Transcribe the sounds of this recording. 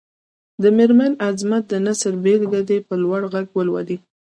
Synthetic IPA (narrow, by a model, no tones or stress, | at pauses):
d̪əmeɾmanazmat̪̚d̪ənasəɾbelɡ̪ad̪epəlwaɽɣaɡwəlwa̰d̪i